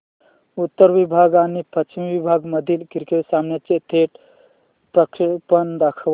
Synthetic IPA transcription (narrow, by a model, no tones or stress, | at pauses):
ut̪ːəɾʋibʱaɡanipət͡ʃimiʋibʱaɡməd̪ʱilkiɾkesamnet͡ʃet̪ʰeʈ | pɾəkɾipənd̪əkʰʋ